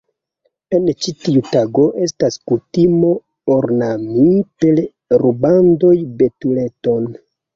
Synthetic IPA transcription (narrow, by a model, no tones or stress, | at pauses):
e̞nt͡ʃitiutaɡo̞ʔe̞staskutimo̞ | oɾnamipel | ɾubando̞jbe̞tule̞to̞n